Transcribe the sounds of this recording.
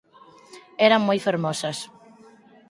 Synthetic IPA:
ɛɾaŋmojfaɾmɔsɐs

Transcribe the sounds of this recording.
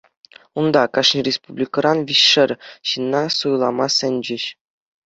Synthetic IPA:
und̪ɑkɑʂnʲirʲespublʲikɤ̆rʔɑnʋʲiɕʂɘ̆rʲɕinːɑsujlˠɑmɑsʲɘ̆nʲd͡ʑɘ̆ɕ

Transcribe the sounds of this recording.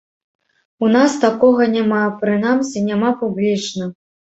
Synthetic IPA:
unast̪akɔɣɐnʲamapɾɨnamsʲinʲamapublʲit͡ʂnɐ

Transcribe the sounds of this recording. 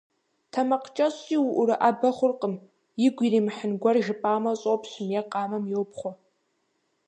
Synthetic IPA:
tʰɐmɐqt͡ʃʼɐɕiːwʊʔʊɾɨʔabɐχʷʊrqʼəm | jɪɡʷiɾiːmħənɡʷɐrʒɪpʼaːmɐɕʼopɕʊmjɛqʼɑːmɐmjowpχʷɔ

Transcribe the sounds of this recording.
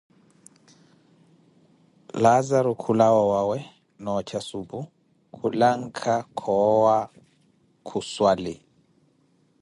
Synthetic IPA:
lazaɾukʰulawɔwawɛ | nɔt͡ʃʰasupu | kʰulaŋ̩kʰakʰɔwa | kʰuswalɪ

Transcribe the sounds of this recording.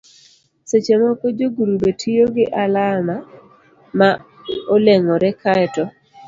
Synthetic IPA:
set͡ʃemɔkod͡ʒoɡuɾubetʰijoɡɪʔalama | ma | oleŋɔɾɛkaɛtɔ

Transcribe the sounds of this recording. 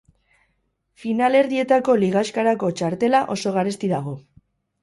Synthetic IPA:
finale̞ɾðie̞t̪ako̞liɣ̞askaɾako̞t͡ʃaɾt̪e̞laʔo̞so̞ɣ̞aɾest̪iðaɣ̞o̞

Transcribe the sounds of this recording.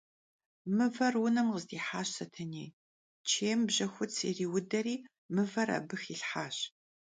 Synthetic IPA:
mɨvɐrwʊnɐmqəzdiːħaːɕsɐtʰɐneː | t͡ʃʰeːmbʑɐxʷʊt͡sʰḭriːwʊdɐriː | mɨvɐɾɐ̰bɨxiɬħaːɕ

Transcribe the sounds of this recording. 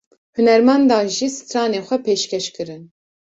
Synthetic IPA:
hɨnɛɾmɛnd̪ɑːʒiːsɨ̥t̪ʰɾɑːneːxʷɛpeːʃkʰɛʃkɨɾɨn

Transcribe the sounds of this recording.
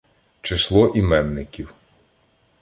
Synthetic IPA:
t͡ʃɪslˠɔʔimɛnːɪkʲiw

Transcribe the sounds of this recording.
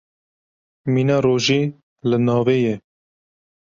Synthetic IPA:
miːnɑːɾoːʒiː | lɨnɑːveːjɛ

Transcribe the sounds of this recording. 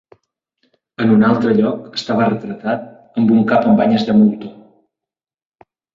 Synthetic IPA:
ənunalˠt̪ɾəʎɔkə̥st̪aβ̞ərət̪ɾət̪at̪̚ | əmbuŋkapəmbaɲəzðəmulˠt̪o

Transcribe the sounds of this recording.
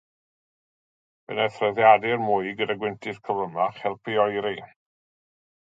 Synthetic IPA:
b̥ə̰nɛθrɛðjadɪrmʊɨɡədaɡwɪntʰɪθkʰəvlˠəmaχɛlˠpʰiɔjɾi

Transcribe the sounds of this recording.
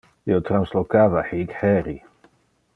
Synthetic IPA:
iot̪ɾanslokaːvaħikħɛɾi

